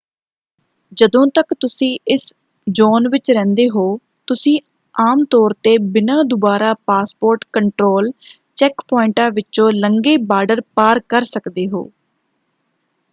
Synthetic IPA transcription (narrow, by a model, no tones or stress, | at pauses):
d͡ʒəd̪õːt̪əkt̪ʊsĩːʔɪs | d͡ʒɔːnʋɪt͡ʃɾɛ̃ːnd̪eːɦoː | t̪ʊsĩː | aːmt̪ɔːɾt̪eːbɪnãːd̪ʊbaːɾaːpaːspoːɾʈkəɳʈɾoːl | t͡ʃɛkpɔːɪɳʈãːʋɪt͡ʃõːləŋɡeːbaːɖəɾpaːɾkəɾsəkd̪eːɦo̰ː